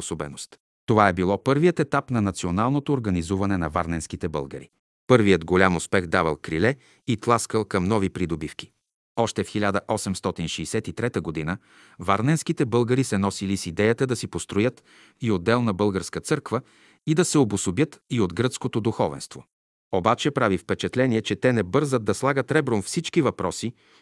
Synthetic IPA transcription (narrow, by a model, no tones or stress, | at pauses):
osobɛ̰nost̪ | t̪ovaɛbilˠɔpɤɾvijət̪ɛt̪apnɐnɐt̪sionalˠnot̪oːɾɡɐnizuvɐnɛnɐva̰ɾnɛnsk̟it̪ɛbə̰lˠɡə̰ɾḭ | pɤɾvijəd̪ɡolʲamʊspɛxd̪avɐlˠkɾilɛ | it̪lˠaskəlˠkɐmnɔvipɾid̪obifk̟i̥ | ɔʃt̪ɛfxilʲad̪əʔɔsɛmst̪ɔt̪inʃɛisɛt̪it̪ɾɛt̪əɡod̪inə | vaɾnɛnskit̪ɛbɤlˠɡəɾisɛnɔsilisid̪ɛjət̪əd̪ɐsipost̪ɾojɤt̪ | iod̪ːɛlˠnɐbɤlˠɡəɾskət̪sɤɾkvə | id̪ɐsɛobʊsobjɤt̪iod̪ɡɾət̪skot̪od̪uxɔvɛ̰nst̪vo̰ | obat͡ʃɛpɾavifpɛt͡ʃɛt̪lɛniɛt͡ʃɛt̪ɛnɛbɤɾzət̪̚ːɐslˠaɡət̪ɾɛbɾonfsit͡ʃkivɐpɾɔsi